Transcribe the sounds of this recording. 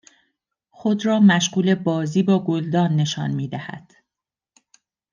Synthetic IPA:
xo̞d̪ɾɒːmæʃɢuːle̞bɒːziːbɒːɡo̞ld̪ɒːnːe̞ʃɒ̰ːnmiːd̪æhæ̰d̪̥

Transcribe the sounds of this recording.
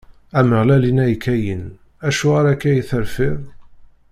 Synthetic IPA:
æməʁlælinæjkːæjən | æʃuaɾækːæjəθəɾfɪðˤ

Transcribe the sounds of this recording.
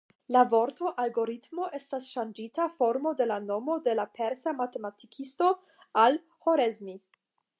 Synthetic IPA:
lavo̞ɾto̞ʔalɡo̞ɾitmo̞ʔe̞stasʃand͡ʒitafoɾmo̞de̞lano̞mo̞de̞lapʰeɾsamate̞matikʰisto̞ | al | ho̞ɾezmi

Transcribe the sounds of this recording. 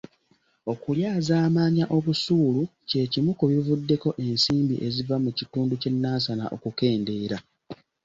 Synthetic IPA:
o̞kuljaːzaːmaːɲaʔo̞βusuːluce̞cimukuβivudːe̞ko̞ʔe̞nsiːmbḭʔe̞zivamucituːnduce̞nːaːsana̰ʔo̞̰kuke̞ːnde̞ːɾa

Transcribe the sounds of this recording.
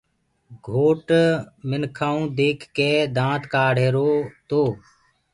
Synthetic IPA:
ɡʱoːʈmɪnkʰaːũːd̪eːkʰːeːd̪ãːt̪kaːɽ̤eːɾoːt̪oː

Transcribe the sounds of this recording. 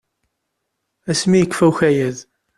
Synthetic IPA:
æsmijəkːfæwçæjæð

